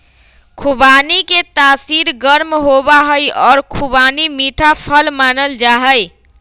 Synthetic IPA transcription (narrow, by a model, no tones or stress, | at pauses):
kʰubaniket̪asiɾɡəɾmɦobaɦəjɔːɾkʰubanimiʈʰapʰəlmanəld͡ʒaɦəj